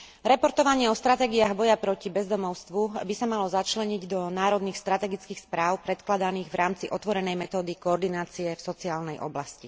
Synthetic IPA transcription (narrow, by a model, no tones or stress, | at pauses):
ɾɛpɔɾt̪ɔʋaɲɪɛɔst̪ɾat̪ɛːɡiaːɣbɔjapɾɔcibɛzd̪ɔmɔʊst̪ʋubisamalɔzat͡ʃlɛɲiɟd̪ɔnaːɾɔd̪niːxst̪ɾat̪ɛɡit͡skiːxspɾaːʊpɾɛt̪klad̪aniːɣʋɾʔaːmt͡siʔɔt̪ʋɔɾɛnɛjmɛt̪ɔːd̪ikɔːɾd̪inaːt͡siɛfsɔt͡siaːlnɛjʔɔ̰blasci